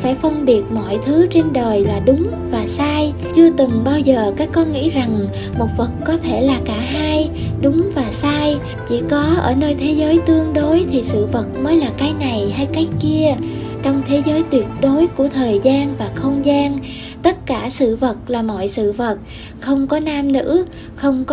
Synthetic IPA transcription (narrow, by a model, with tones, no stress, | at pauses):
faː˧˩jfə˧nɓi˨˩ət̚mɔ̰˧˨jt̪ʰɨ˨˦t͡ɕe˧nɗəː˨˩jlaː˨˩ɗʊ˨˦ŋ͡m | vaː˨˩saː˧j | t͡ɕɨ˧ət̪ɨ˨˩ŋɓaː˧wzəː˨˩kaː˨˦˥kːɔ˨˦ŋḭ˧˥za˨˩ŋ | mo˨˩t̚və˨˩t̚kɔ˨˦t̪ʰe˧˩laː˨˩kaː˧˩ɦaː˧j | ɗʊ˨˦ŋ͡mvaː˨˩saː˧j | t͡ɕḭ˧˩kɔ˨˦ʔəː˧˩nəː˧jt̪ʰe˨˦zəː˨˦jt̪ɨ˧əŋɗo˨˦jt̪ʰi˨˩sɨ̰˧˨və˨˩t̚məː˨˦jlaː˨˩kaː˨˦jna˨˩jɦa˧jka˨˦jki˧ət͡ɕɔ˧wŋ͡mt̪ʰe˨˦zəː˨˦jt̪wi˨˩ət̚ɗo˨˦jku˧˩ət̪ʰəː˨˩jzaː˧nvaː˨˩xə˧wŋ͡mzaː˧n | t̪ə˦˥t̚kaː˧˩sɨ̰˧˨və˨˩t̚laː˨˩mɔ̰˧˨jsɨ̰˧˨və˨˩t̚ | xə˧wŋ͡mkɔ˨˦naː˧mnɨ̰˧˥ | xə˧wŋ͡mk